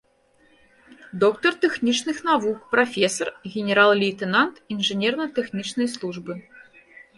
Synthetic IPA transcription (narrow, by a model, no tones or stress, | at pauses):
d̪ɔkt̪ɐrt̪ɛxnʲit͡ʂnɨxnavuk̚pɾafʲɛsɐrɣʲenʲɛɾalˠlʲiːt̪ɛnant̪inʐɨnʲɛrnɐt̪ɛxnʲit͡ʂnɐjslˠuʐbɨ